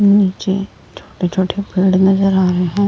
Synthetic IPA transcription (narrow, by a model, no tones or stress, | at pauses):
niːt͡ʃe | t͡ʃʰoːʈet͡ʃʰoːʈʰepɪːɖnɐzəɾaːɾɐɦeɦɛ̃ː